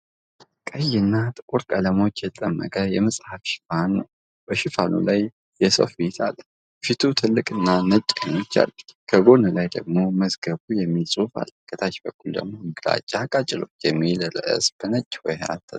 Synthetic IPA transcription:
kʼəjːɪnːat̪ʼɨkʼuɾkʼələmot͡ʃːjɛt̪ʰət̪ʼəmːə̰kʼəjɛməsʼhafʃɪ̥fanːə̰w | b̥əʃɪfanʔṵlaj | jɛsə̰fbet̪ʰa̰lː | fit̪ʰut̪ʰɨlːɨkʼɨnːanət͡ʃʼeno̞t͡ʃːa̰lːkʰəɡo̞nəlajd̪ə̰ɡ̚mo̞məzɡəβujɛmːisʼufa̰lkʰʼːət̪ʰat͡ʃbəkʰʼːuld̪ə̰ɡmo̞mɨɡla̰t͡ʃʼːakʼat͡ʃʼɪlo̞̰t͡ʃːjɛmːilələ̰ʔɨ̰sb̥ənət͡ʃʼːwɔja̰t̪ʰːə

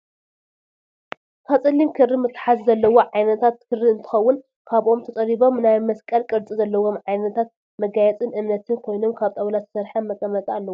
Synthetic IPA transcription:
k̪ʰat͡sʼɨlimkʰɨrːimɨt̪ʰːħazzɐlːɐwo̞ʕajnɐt̪ʰat̪kʰɨrːiɨnt̪ʰɨ̥xɐwːʊn | kʰaβʔo̞mt̪ʰɐt̪ʼɐɾiβo̞mnajmɐskʼɐlkʼɨɾt͡sʼizɐlːɐwo̞mʕajnɐt̪ʰat̪̚ | mɐɡajɛt͡sʼɨnɨmnɐt̪ʰɨnkʰo̞jno̞mkʰaβt̪ʼɐβlat̪ʰɨ̥sɐɾħanmɐt̪ʼɐmɐt̪ʼalːɐwo

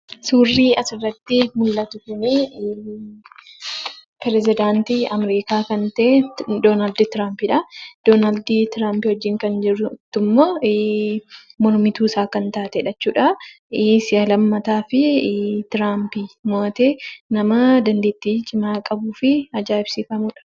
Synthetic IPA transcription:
suːrːiːɐsɪrɐt̪ːɪmʊlːɐt̪ʊkʊnɪ | pɛɾɛzɪd̪aːnt̪iɐmɛɾiːkaːkɐnt̪ɐʔed̪oːnaːld̪t̪ɪɾaːmpɪᶑɐd̪̥oːnaːld̪t̪ɪɾaːmpɪwɔd͡ʒːɪŋkɐnd͡ʒɪrːʊɪt̪ːʊmːoː | mɔɾmɪt̪uːsaːkɐnt̪aːt̪ɛᶑɐt͡ʃːuːᶑɐ | sɪjɐlɐmːɐt̪aːfɪt̪ɪɾaːmpɪmoːt̪eːnɐmɐd̪ɐnd̪eːt̪ːit͡ʃʼɪmaːkʼɐbuːfɪɐd͡ʒaːɪb̥sɪfɐmuːᶑɐ̥

